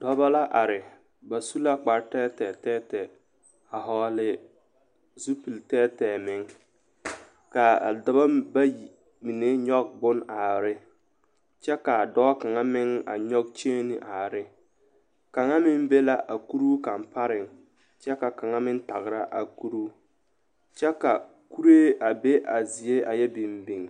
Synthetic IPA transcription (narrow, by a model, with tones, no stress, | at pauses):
d̥ɔ˦ba˦la˦ʔa˨ɾɪ˨ | ba˨su˦la˦k͡pa˨ɾtɛː˦tɛ˨tɛː˦tɛ˨ | a˨ɦɔ˦lɪ˦ | zu˦pi˨ltɛ˦tɛː˨mɪ˦ŋ | ka˨da˨ba˦ba˦ji˨ | mi˨ne˦ɲɔ˦ɡ̚bʊ˦na˨ɾɪ˦ | t͡ʃɛ˦ka˨dɔ˦ka˨ŋa˦mɪ˦ŋa̰˨ɲɔ˦ɡ̚t͡ʃeː˦nɪ˨ʔa˨ɾɪ˦ | ka˨ŋa˦mɪ˦mbe˦la˦ʔa˨ku˦ɾu˦ka˨mpa˦ɾɪ˨ŋ | t͡ʃɛ˦ka˨ka˨ŋa˦mɪ˦n˦ta˨ɣɾa˦ʔa˨ku˦ɾu˦ | t͡ʃɛ˦ka˨ | ku˦ɾeː˦ʔa˨be˦ʔa˨zi˨e˦a˨jɛ˦bɪ˨mbi˨ŋ